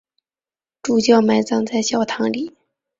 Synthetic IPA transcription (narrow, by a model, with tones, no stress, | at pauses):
ʈ͡ʂu˨˩t͡ɕjɑ˥˩ʊma˥˩ɪt͡sɑ˥˧ŋt͡sa˥˧ɪɕjɑ˥˩ʊt̪ʰɑ˧˥ŋli˨˩˦